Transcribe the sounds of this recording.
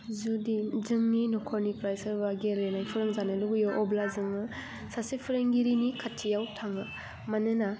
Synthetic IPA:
zudizɯŋninɔkʰɔɾnipɾajsəɾbaɡelenajpʰɯɾɯŋzanɯduɡɯjɔʔɔblazɯŋɯ | sasipʰɯɾɯŋɡiɾinikʰatʰːijawtʰaŋɯ | manɯna

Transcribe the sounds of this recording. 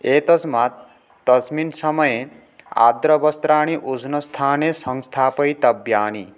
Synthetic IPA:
et̪sma | t̪ʌzminsʌmʌje | a̰d̪ɾʌbʌst̪ɾaːɽ̃iʔud͡znʌst̪ʰaːnesʌŋst̪ʰaːpʌjt̪ʌbjaːni

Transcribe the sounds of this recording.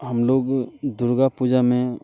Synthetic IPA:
həmloːɡd̪uɾɡapud͡ʒamẽ

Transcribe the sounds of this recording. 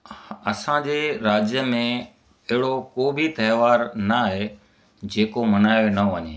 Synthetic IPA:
ɐsãd͡ʑeːɾaːd͡ʑjəmẽ | ɪɦɪɽokoːbʱit̪ɐɦɪʋaːɾnaːɦe | d͡ʑeːkomɐnaːjonɐʋɐɲḛː

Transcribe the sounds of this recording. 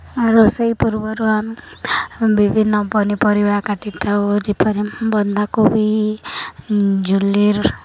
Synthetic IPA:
aɾosəipuɾbɔɾuam | bibʱinːɔpɔnipɔɾibakaʈit̪ʰaud͡ʒipʰɔɾibɔnd̪ʱakubʱi | d͡ʒuliɾ

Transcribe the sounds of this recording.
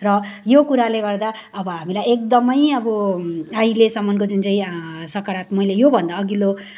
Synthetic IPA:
rʌjokuɾaleɡʌrd̪a | ʌbʌɦamilajek̚d̪ʌmʌjʌbʌajlesʌmːʌnkod͡zunt͡saĩsʌkaɾat̪mʌjlejobʱʌnd̪aːɡilo

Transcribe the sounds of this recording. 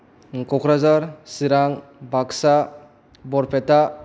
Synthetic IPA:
kɔkʰɾazaɾsiɾaŋbaksa | bɔɾpeta

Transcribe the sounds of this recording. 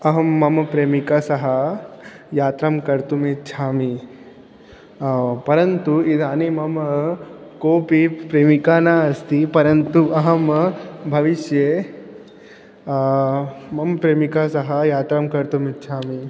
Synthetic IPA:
ɐɦɐmːɐmpɾeːmikasɐɦɐ | jaːt̪ɾɐmkɐɾt̪umit̪t͡ʃʰaːmi | pɐɾɐnt̪uid̪ʱaːnemɐm | koːpipɾeːmikanaɐst̪ipɐɾɐnt̪uʔɐɦɐmbʱɐʋiʃje | mɐmpɾeːmikasɐɦɐjaːt̪ɾɐmkɐɾt̪umit̪̚t͡ʃʰaːmi

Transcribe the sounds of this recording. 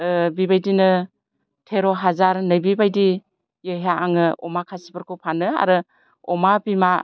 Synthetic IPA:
bibajdinɯ | tʰeɾoɦazaɾnɯjbibajdi | jɯɦaaŋɯɔmakʰasipaɾkʰɯwpʰanɯa̰ɾɯ | ɔmabima

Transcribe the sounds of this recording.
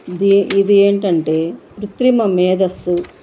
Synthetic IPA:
d̪id̪ieːɳʈɐɳʈe̞ːɾut̪ɾimɐmɛːd̪ɐsːu

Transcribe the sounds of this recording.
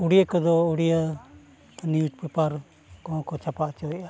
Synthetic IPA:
uɽijəkəd̪ɔuɽijə | niʈ̚pɛpaɾ | kɔ̃kɔt͡ʃʰapaʔt͡ʃɔja

